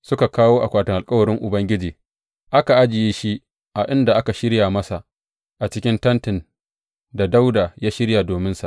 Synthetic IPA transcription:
sʊ˦ka˨kaː˦woː˦ʔa˨kʷaː˨tɪ˨ŋʔa˨lkʼɐ˦wɐ˨ɾɪ˦ŋʔʊ˨bɐ˦ŋɡʲɪ˦d͡ʒiː˨ | ʔa˦ka˨ʔa˦d͡ʒɪ˨jiː˦ʃi˦ | ʔa˨ʔɪ˦nda˨ʔa˦ka˨ʃɪ˦ɽjaː˨mɐ˦sa˨ʔ | ʔa˨t͡ʃɪ˦kʲɪ˦ntɐ˦ntɪ˨n | da˨da˦wdaː˨jaː˦ʃɪ˦ɽja˨doː˨mɪ˦nsa˨ʔ

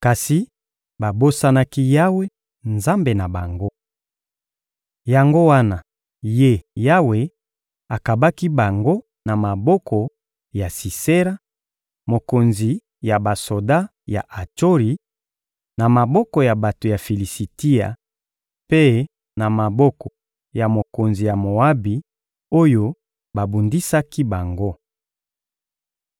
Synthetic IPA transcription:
ka˨si˨ | ba˨bo˦sa˦na˦ki˦ja˦we˦ | nza˦mbe˨na˨ba˨ŋɡo˦ | ja˨ŋɡo˦wa˦na˨ | je˦ja˦we˨ | a˨ka˨ba˦ki˦ba˨ŋɡo˦ | na˨ma˨bɔ˦kʰɔ˨ | ja˨si˨se˦ʁa˦ | mo˨ko˨nzi˨ | ja˨ba˨so˨da˦ | ja̰˨ʔa˨to˦ʁi˨ | na˨ma˨bɔ˦kɔ˨ja˨ba˨to˨ja˨fi˨li˨si˨ti˦a̰˨ | pe˦ | na˨ma˨bɔ˦kɔ˨ | ja˨mo˨ko˨nzi˨ja˨mo˨a˦bi˨ | o˦jo˦ | ba˨bu˨ndi˦sa˦ki˦ba˨ŋɡo˦

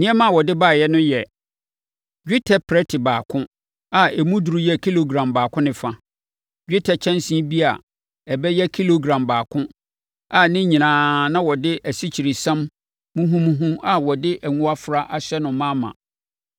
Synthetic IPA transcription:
nɪ̃˦ɛ˦mã˦˨wɔ˨dɪ˦baː˦˨jɛ˦nʊ̃˦jɛ˨ | d͡ʑᶣi˦tʰɛ˦pʰɾɛ˦tʰɪ˨baː˨kʰʊ̃˦ | a˨ɛ˨mũ˦du˨ɾu˦jɛ˦kʰi˦lo˨ɡɾã˨mbaː˨kʰʊ̃˦nɪ̃˨fã˨ | d͡ʑᶣi˦tʰɛ˨t͡ɕʰɛ̃˦nsĩ˦bi˦a̰˨ | ɛ˨bɛ˦jɛ˦kʰi˦lo˨ɡɾã˨mbaː˨kʰʊ̃˦ | a˨nɪ̃˦ɲĩ˨nãː˦nã˦wɔ˨dɪ˦ʔæ˨si˦t͡ɕʰi˨ɾi˨sã˦mː | ũ˦ɦũ˦mũ˦ɦũ˦a˨wɔ˨dɪ˦ʔæ˨ŋũ˦a˦fɾa˦ʔa˦ɕɛ˦nʊ̃˨mã˦mã̰˨

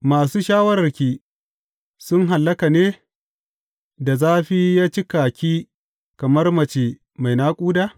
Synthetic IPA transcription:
maː˨suː˦ʃaː˦wɐ˦ɾɐ˨rkʲiː˦˨ | sʊ˦ŋɦa˨lːɐ˦ka˨neː˦ | da˨zaː˦ɸi˦jaː˦t͡ʃi˦kaː˨kʲiː˦ | kɐ˨mɐ˦rmɐ˨t͡ʃeː˨ | ma˨jnaː˦kʷʼuː˦daː˦

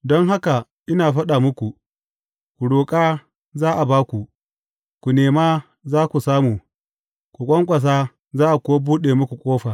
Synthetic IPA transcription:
dɔ˦ŋɦa˦ka˨ | ʔɪ˦naː˨ɸɐ˦ɗaː˨mʊ˦kʷu˨ | kʷu˨ɽoː˨kʼaː˦ | zaː˦ʔa˨baː˦kʷu˨ | kʷu˨neː˨maː˦ | zaː˦kʷu˨saː˦muː˨ | kʷu˨kʷʼɐ˦ŋkʷʼɐ˨s̬aː˦ | zaː˦ʔa˨kʷʊ˦wa˦buː˦ɗeː˨mʊ˦kʷu˨kʷʼoː˦ɸaː˨

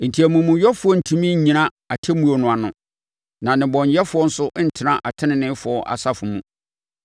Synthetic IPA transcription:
n̩˨tʰi˨æ˨mũ˨mũ˨jɔ˦fʊ˨˦ɔ˦n̩˨tʰũ˦mĩ˦ɲ˦ɲĩ˨nã˦ | a˨tʰɛ˦mũ˦o˨nʊ̃˨a˨nʊ̃˨ | nã˨nɪ̃˨bɔ̃˨n˨jɛ˦fʊ˨˦ɔ˦n̩˦sʊ˦ʔn̩˦tʰɪ˨nã˦ʔa˨tʰɪ̃˦nɪ̃˨nɪ̃˦fʊ˨ɔ˦ʔa̰˨sa˦fʊ˨mũ˨

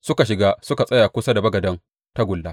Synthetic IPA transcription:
sʊ˦ka˨ʃɪ˨ɡaː˦sʊ˦ka˨sʼɐ˦jaː˨kʷʊ˦sa˦da˨bɐ˦ɡɐ˨dɐ˦ŋ | ta˦ɡʷʊ˨lːaː˦

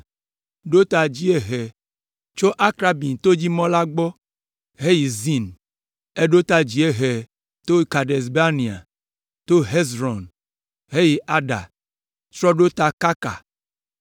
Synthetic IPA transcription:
ɖo˦t̪a˨d͡ʒi˦e˨ɦɛ˨ | t͡ʃo˦ʔa˦kɾa˦bi˨n˨t̪o˦d͡ʒi˦mɔ̃˦la˦ɡ͡bɔ˦ | ɦe˦ji˨zi˦n | e˦ɖo˦t̪a˦d͡ʒi˨˦e˦ɦɛ˨ | t̪o˦ka˨ɖe˨sba˦nĩ˨a̰˨ | t̪o˦ɦe˦zɾɔ˨n | ɦe˦ji˨ʔa˦ɖa̰˨ | t͡ʃɾɔ˦ɖo˦t̪a˨ka˦ka̰˨

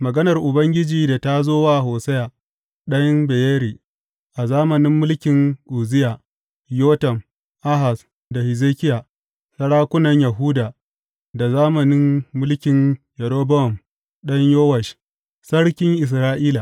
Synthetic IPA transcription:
mɐ˨ɡɐ˦nɐ˨rʔʊ˨bɐ˦ŋɡʲɪ˦d͡ʒiː˨da˨ta˦zoː˦waː˦ɦoː˨sɐ˦ja˨ | ɗɐ˦ɲbe˨jɛː˦ɾiː˨ | ʔa˨zaː˦mɐ˨nɪ˦mːʊ˦lkʲɪ˨ŋʔu˨zɪ˦ja˨ | joː˦tɐ˨m | ʔa˦ɦa˨s | da˨hɪ˨zeː˦kʲɪ˦ja˨ | sɐ˦ɽaː˦kʷʊ˦nɐ˨ɲjɐ˨ɦʊ˦daː˨ | da˨zaː˦mɐ˨nɪ˦mːʊ˦lkʲɪ˨njɛ˨ɾoː˦bɔ˦ɔ˨m | ɗɐ˦ɲjoː˦wɐ˨ʃ | sɐ˦ɽkʲɪ˦ŋʔɪ˨s̬ɾaː˦ʔiː˦la˨

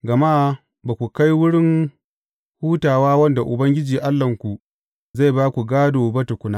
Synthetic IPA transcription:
ɡɐ˨ma˦ | baː˨kʷu˨ka˦jwʊ˦ɽɪ˦ŋ | huː˦taː˨waː˦wɐ˦nda˨ʔʊ˨bɐ˦ŋɡʲɪ˦d͡ʒiː˨ʔa˦lːɐ˨ŋkʷu˨ | za˦˨jbaː˦kʷu˨ɡaː˦doː˨bɐ˦tu˨kʷʊ˦na˦ʔ

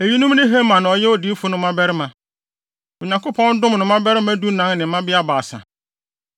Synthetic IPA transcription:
e˨ji˦nũ˦m˦nɪ̃˦ɦe˦mã˨nʊ̃˨ɔ˨jɛ˦wɔ˨dɪ˦fʊ˦nʊ̃˦mã˦bɛ˦ɾɪ˦mã˨ | o˨ɲã˨ŋkʊ˦pʰɔ̃˦n˦dʊ̃˦m˨nʊ̃˨mã˦bɛ˦ɾɪ˦mã˦du˦nã˨˦nnɪ̃˨˦mã˦bɪ˦a˦baː˨sã̰˨

